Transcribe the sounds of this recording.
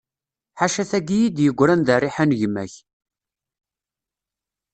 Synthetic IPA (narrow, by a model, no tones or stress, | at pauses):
ħaʃæθæɡijid̪jəɡʷːɾænðarˤːiħanʝəmːæ̰ç